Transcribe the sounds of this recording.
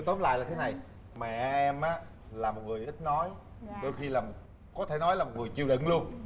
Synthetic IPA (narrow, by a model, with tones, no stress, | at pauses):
t̪o˨˦nla̰ː˧˨jlaː˨˩t̪ʰe˨˦na˨˩j | mɛ̰˧˨˧ʔɛ˧mʔaː˨˦ | laː˨˩mo˨˩t̚ŋɨ˨˩əjʔi̟˦˥nɔ˨˦j | ɗo˧jxi˧laː˨˩m | kɔ˨˦t̪ʰe˧˩nɔ˨˦jlaː˨˩mo˨˩t̚ŋɨ˨˩əjt͡ɕi˨˧˩əɗɨ̰˧˨nlu˧ən